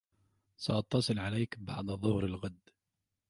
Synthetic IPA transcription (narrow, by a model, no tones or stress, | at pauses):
saʔɑt̪ˤːɑsˤɨlʕalajkbɑʕd̪ˤðˤːʊhɾɪlɣad̪ː